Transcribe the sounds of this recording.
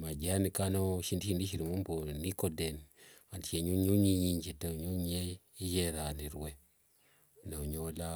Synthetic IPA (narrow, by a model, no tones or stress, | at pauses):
mad͡ʒanikanoʃindiindiʃ̬iɾimumbonikodenantieɲuɲuɲiɲind͡ʒetaɲuɲe | ijeɾaniɾuwe | naɲola